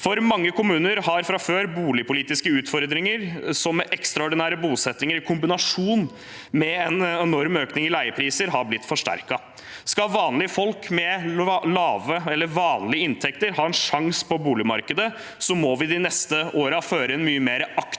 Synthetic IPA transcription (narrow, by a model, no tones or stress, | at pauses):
fɔɾmɑŋːəkʰʊmʉːnəɾhɑɾfɾɑføːɾbuːlɪpʰʊliːt̪ɪskəʉːt̪fɔɾd̪ɾɪŋəɾsɔmɛʔɛkst̪ɾɑɔɖɪnæːɾəbuːsɛt̪ːnɪŋəɾɪkʰʊmbɪnɑʂuːn | mɛɛnɛnɔɾmøːknɪŋɪlæɪəpʰɾiːsəɾɦɑːblɪt̪ːfɔʂʈæ̰ɾkɑ | skɑʋɑːnlɪəfɔlkmɛlɑːʋəɛlːəɾʋɑːnlɪəɪnt̪ʰɛkt̪əɾɦɑːɛnʂɑŋspʰɔbuːlɪmɑ̰ɾkəd̪ə | sɔmɔʋɪd̪ɪnɛst̪əoːɾɑføːɾəɛnmyːəmeːɾɑk